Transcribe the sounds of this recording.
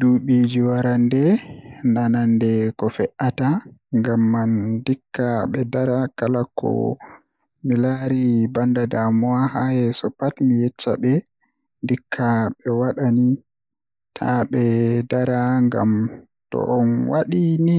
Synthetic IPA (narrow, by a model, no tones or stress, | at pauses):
duɓid͡ʒiwaɾandɛnanandɛkɔfɛʔataŋɡamːandikːaɓɛdaɾakalakʰɔ̰ | milaɾibandadamɔahajɛsɔpatmijɛt͡ʃːa̰ɓɛ | ndikʰːaɓɛwaɗani | tʰa̰ɓɛdaɾaŋɡa̰m | tɔ̰ʔɔnwaɗini